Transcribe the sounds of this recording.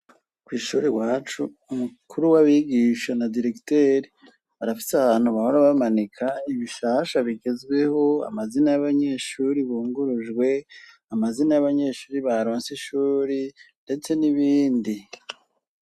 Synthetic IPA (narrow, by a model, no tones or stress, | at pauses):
kwiːʃuːɾiwaːt͡ʃuːmukʰuɾuwaβiɡiːʃanadiɾe̞kteːɾi | aɾafi̥saβaːn̥huβaho̞ɾaβamanikʰaiβiʃaːʃaβiɡe̞zɡwe̞ho̞a̰mazinajaβaɲe̞ːʃuːɾiβuːŋɡuɾuʒɡwe̞ | amazinajaβaɲe̞ːʃuːɾiβaɾo̞ːnseʃuːɾinde̞t͡se̞niβiːndi